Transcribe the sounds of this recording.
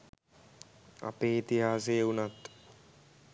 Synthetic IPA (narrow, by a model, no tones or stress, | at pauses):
a̰peːit̪iɦaːsejəunat̪